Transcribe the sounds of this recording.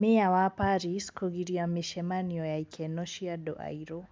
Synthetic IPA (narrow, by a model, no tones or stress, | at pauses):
meawapaɾiskʰɔɡiɾiamiʃɛmaniɔjaikʰɛnɔʃiadɔʔa̰iɾo